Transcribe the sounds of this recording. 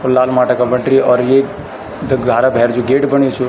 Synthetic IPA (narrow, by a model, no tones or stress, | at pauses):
ɔlaːlmaːʈakabəɳʈɾiɔːɾjek | d̪əɡɡʱaɾabʱɛɾd͡ʒuɡeːʈbəɳ̃it͡ʃʰu